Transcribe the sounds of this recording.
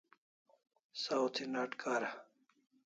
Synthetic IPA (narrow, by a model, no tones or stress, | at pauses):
sawt̪ʰinaːʈkaːɾa